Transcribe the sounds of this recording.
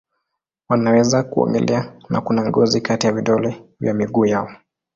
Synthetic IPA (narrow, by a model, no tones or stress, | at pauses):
wanawɛzakuɔ̰ŋɡɛ̰lʔɛana̰kunaŋɡɔzikatijaviɗɔlɛvja̰miɡuːjaɔ